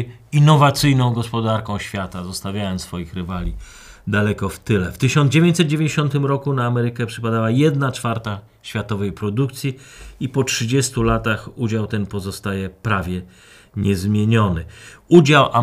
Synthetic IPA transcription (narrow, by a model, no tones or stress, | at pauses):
inːɔvat̪sɘjnɔ̃w̃ɡɔspɔd̪aɾkɔ̃w̃ɕfʲjat̪azɔst̪avʲjajɔnsfɔjixɾɘvalʲi | d̪alɛkɔft̪ɘlɛft̪ɘɕɔnd̪d͡ʑevʲjeɲt͡ɕsɛt̪̚d͡ʑevʲẽɲd͡ʑeɕɔnt̪ɘmɾɔkunaːmɛɾɘkɛpʂɘpad̪awajɛd̪nat͡ʂfaɾt̪a | ɕfʲjat̪ɔvɛjpɾɔd̪uk̚t̪sʲji | ipɔtʂɘd͡ʑɛst̪ulat̪axud͡ʑawt̪ɛnpɔzɔst̪ajɛpɾavʲjɛ | ɲɛzmʲjeɲɔnɘud͡ʑawʔa